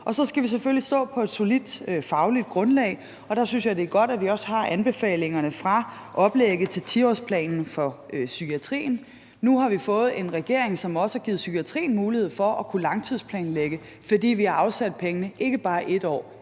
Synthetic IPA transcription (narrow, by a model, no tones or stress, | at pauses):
ɒ̽sɒ̽sɡ̥æʋis̬eføllisd̥ɔ̰̽ːpʰɒ̽e̝d̥so̝lid̥øfɑ̈ʊlid̥̚ɡ̥ʁɔ̽nlɛ̰ɪ | ɒ̽d̥ɑ̈synsjɑ̈ɪd̥e̝æɐɡ̥ɒ̽d̥æʋiɒ̽shɑ̈ʔænb̥e̝fɛ̰ːle̝ŋɐnəfʁɑ̈ʔɒ̽b̥leɡ̥əð̩ˠt͡sʰe̝lt͡sʰiɒ̰spʰlɛ̰ːnn̩fɒ̽ | sykʰiæt͡sʰʁḭːn | nuɦɑ̈ʋifɔ̽ːð̩ˠe̝nʁɛɡ̥e̝ɐ̰e̝ŋsɒ̽mɒ̽səhɑ̈ɡ̥iːð̩ˠsykʰiæt͡sʰʁḭːn̩muːlihe̝ð̰ˠfɒ̽ʔɒkʰulɑ̈ŋt͡sʰið̞ˠspʰlɛ̰ːnleɡ̥ə | fɒ̽d̥ḭːʋihɑ̈ɑ̈ʊsæd̥̚pʰeŋənəʔe̝ɡ̥əb̥ɑ̈ːʔe̝d̥ɒ̰ː